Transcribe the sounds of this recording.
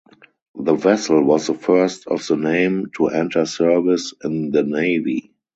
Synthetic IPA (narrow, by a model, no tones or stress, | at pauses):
ðəvɛsl̩wɔsðəfɜ˞stɔ̰fðənẽɪ̃mtʰuʔɛ̃ntʰə˞sɜ˞vɪsɪ̃nðəneɪvi